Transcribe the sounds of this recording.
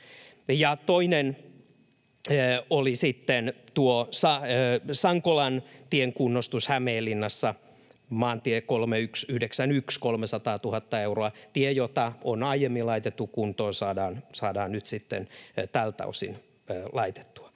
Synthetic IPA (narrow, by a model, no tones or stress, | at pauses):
jɑt̪oinen | olisit̪ːent̪uosɑsɑŋkolɑnt̪ieŋkunːost̪ushæmeːlːinːɑsːɑ | mɑːnt̪iekolmeyksyhdeksænykskolmesɑt̪ɑːt̪uhɑt̪ːɑeuroɑt̪iejot̪ɑonɑijemːilɑit̪et̪ːukkunt̪oːsɑːdɑːnsɑːdɑːnnyt̪sit̪ːḛnt̪ælt̪ɑ̰usḭnː | lɑit̪e̥t̪ːu̥ɑ̥